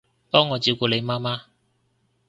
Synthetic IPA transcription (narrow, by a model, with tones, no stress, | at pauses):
pɔː˥ŋːɔː˨˧t͡ɕi˧wkɔː˧˩le˨˧jmaː˥maː˥